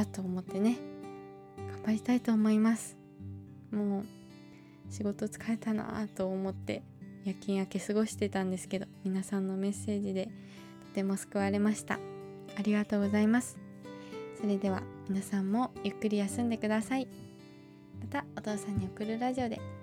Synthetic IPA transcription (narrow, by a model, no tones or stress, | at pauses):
at̪o̞ːmo̞t̪ːe̞ne̞ | ɡ̥ambaɾʲit̪ait̪oːmo̞imasɨ̥ | mo̞ː | ɕiɡo̞t̪o̞t͡sɨ̥kae̞t̪ana̰t̪o̞ːmo̞t̪ːe̞̰ | jakʲĩːɰ̃ake̞sɨɡo̞ɕi̥t̪e̞t̪ãnd̪e̞sɨ̥ke̞d̪o̞mʲinasãnːo̞me̞sːe̞ːʑid̪e̞ | t̪o̞̥t̪e̞mo̞sɨ̥kɯ̟βaɾe̞maɕi̥t̪a̰ | aɾʲiɡat̪o̞ːɡo̞zaimasɨ̥ | so̞ɾe̞d̪e̞β̞a̰mʲinasãmːo̞jɯ̟kːɯɾʲijasɨ̃nd̪e̞kɯ̟d̪asai | mat̪ao̞t̪o̞ːsãɲ̟ːio̞kɯ̟ɾɯ̟ɾaʑio̞d̪e̞̰